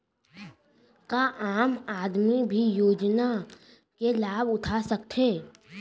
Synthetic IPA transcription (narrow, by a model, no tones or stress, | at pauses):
kaʔaːmaːd̪mibʱijoːd͡ʒna | kelaːbʊʈʰasɐk̚t̪ʰeː